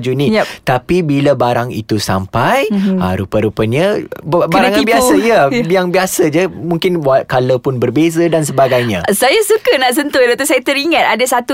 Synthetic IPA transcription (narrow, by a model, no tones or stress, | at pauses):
d͡ʒunĩjt̪apibiləbaɾaŋḭt̪usa̰mpajaɾupəɾupəɲəbbaɾaŋanbiasajəjaŋbiasad͡ʒəmũŋkɪnwakaləpʊnbərbezədans̬əbaɡajɲãsajasukənaʔsənt̪ʊjdat̪usajat̪əɾiŋãt̪̚adasat̪u